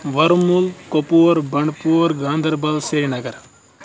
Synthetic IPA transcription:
ʋɐɾmulkopoːɾbɐɳɖpuːɾɡãːnd̪ɐɾbɐlseːnɐɡɐɾ

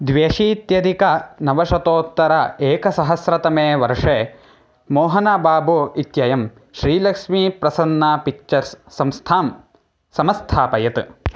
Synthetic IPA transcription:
d̪ʋeːʂiːt̪jɐd̪ikɐnɐʋɐʂɐt̪oːt̪ːɐɾɐeːkɐsɐɦɐsɾɐt̪ɐmeːʋɐɾʂeː | moːɦɐnabaːboit̪jɐjɐm | ʃɾiːlɐkʂmiːpɾɐsɐnːaːpik̚t͡ʃɐɾsːɐmst̪ʰaːm | sɐmɐst̪ʰaːpɐjɐt̪

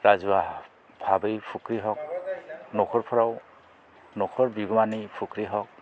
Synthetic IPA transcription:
ɹazuwa | b̥ʱabɯjpʰukɾiɦɔk̚nɔkʰɔɹpʰɔɹaw | nɔkʰɔɹbiɡɔmanijpʰukɾiɦɔk̚

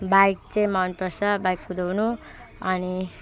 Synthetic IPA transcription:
bajk̚t͡sẽj̃manpʌsʌbajkkud̪ʱownu | ʌni

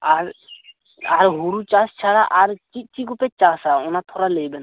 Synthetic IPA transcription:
aɾ | aɾɦuɾut͡ʃast͡ʃʰaɽaʔaɾt͡ʃit̪̚t͡ʃikupɛt͡ʃasaɔnat̪ʰɔɾalejbɛna

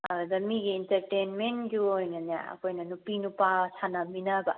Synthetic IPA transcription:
ɐɾdɐmiɡiːntɐɾtenmenɡiojnɐnija̰ɐ̰kʰojnɐnupinupasʰanaminabɐ

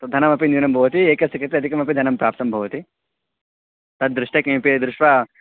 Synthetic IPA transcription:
t̪ɐd̪ʱɐnɐmɐpindinɐmbʱɐʋɐt̪ieːkɐsɐkɾɐt̪iɐd̪ʱikɐmɐpid̪ʱɐnɐmpɾaːp̚t̪ɐmbʱɐʋɐt̪i | t̪ɐd̪ɾɪʂʈɐkeːmpid̪ɾuʂʋa

